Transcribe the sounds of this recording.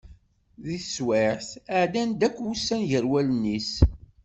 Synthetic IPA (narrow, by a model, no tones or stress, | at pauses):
ðiθswɪħθəʕd̪ænd̪ækʷːwusːænʝəɾwælənːis